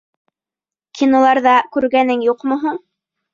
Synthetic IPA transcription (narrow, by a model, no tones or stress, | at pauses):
kʰʲinolˠɑɾðɑkʉɾɡænɘŋjuqmŏɦuɴ